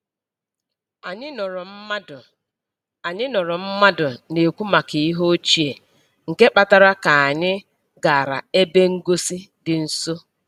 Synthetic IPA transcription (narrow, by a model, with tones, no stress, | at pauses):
a˨ɲɪ˦n˨ɾ | a˨ɲɪ˦nʊ˨ɾʊ˨m̩˦ma˦dʊ˨ne˨kʷu˦ma˨ki˨i˦ɦo˦t͡ʃi˦e˨ | ŋ̩˨ke˦k͡pa˨ta˦ɾa˦ka˨a˨ɲɪ˦ | ɡa˨ɾa̰˨e˦be˦ŋ̩˦ɡo˦si˦dɪ˨n̩˦so˦